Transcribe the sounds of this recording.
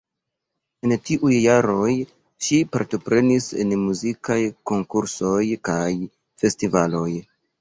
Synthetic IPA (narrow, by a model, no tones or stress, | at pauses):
e̞ntiʔujːaɾo̞j | ʃipa̰ɾto̞pɾe̞nise̞̰nmuzikajko̞ŋkuɾso̞jkaj | fe̞stivalo̞j